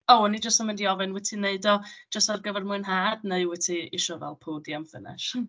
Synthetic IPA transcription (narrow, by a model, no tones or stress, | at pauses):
owɔnid͡ʒəstamɪndiɔvɨnwɛtʰineɨdɔ̥d͡ʒ̥əstarɡəvɛrmʊɨnɦaːdneɨwɛtʰiɪʃɔvɛ̰lˠpʰudiamfə̰nɪ̰ʃ